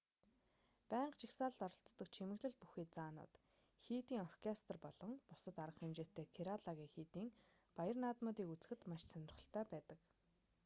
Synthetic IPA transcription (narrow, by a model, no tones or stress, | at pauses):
pæːɴɢt͡ɕʰixsaːɮt̪ɔɾɞ̆ɬt͡s̪t̪ːɞ̆k̚t͡ɕʰimɘ̆ɣɮɘ̆ɮ̚pu̥xiːt͡saːnʊ̰ːt̪ | xiːt̪iːŋɔrkʰest̪rpɔɮɞ̆ŋpʊsə̆t̪aɾʁə̆χxemt͡ɕeːt̪ʰːeːkʰeɾaɮaɣʲiːŋxiːt̪iːŋ | pajə̆rnaːt̪mʊːt̪iːkut͡sɘ̆xɘ̆t̪maʃsœnʲɪ̆rχə̆ɬt̪ʰœːpæːt̪ə̆k